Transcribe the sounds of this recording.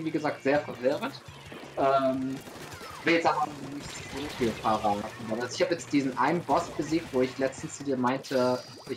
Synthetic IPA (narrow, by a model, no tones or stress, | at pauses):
viːɡəzaːk̚tz̥eːɐfɛɐvɪʁənt | ʔɛːm | v̥ɪljɛt͡saɐnnɪçtz̥oːfiːlfɐʁaːtn̩davɛsɪçhaːbəjɛt͡std̥iːzn̩ʔaɪnənbɔsb̥əzeːk̚tv̥oːɪçlɛt͡stn̩st͡sudiːɐmaɪntʰə | ʔɪ